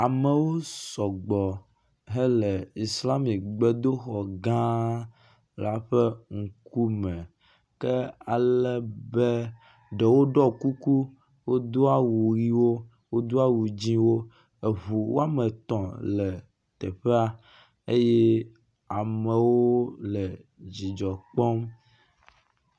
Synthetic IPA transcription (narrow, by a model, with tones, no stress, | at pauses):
a˨mɛ˨wo˦sɔ˨ɡ͡bɔ˨ | ɦɛ˦lɛ˨i˨sla˦mi˨kɡ͡be˦d̪o˦xɔ˨ɡã˦ | la˨ɸɛ˦ŋ̩˨ku˦mɛ̃˨ | kɛ˦a˨lɛ˦be˦ | ɖɛ˨wo˦ɖɔ˦ku˦ku˦ | wo˦d̪o˦a˦wu˨ɾi˦wo˦ | wo˦d̪o˦a˦wu˨d͡ʑĩ˦wo˦ | e˨βu˨wo̰˦a˦mɛ̃˨t̪ɔ̃˨lɛ˨ | t̪ɛ˨ɸe˦a˨ | e˦jɛ˦ | a˨mɛ˨wo˦lɛ˨d͡ʑi˨d͡ʒɔ˨k͡pɔ˦m